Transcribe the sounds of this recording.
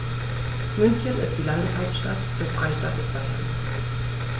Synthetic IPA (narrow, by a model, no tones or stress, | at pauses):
mʏnçənɪ̰st̚d̥iːlandəshaʊp̚tʃtatd̥ɛsfʁ̥aɪʃtatəsb̥aja̰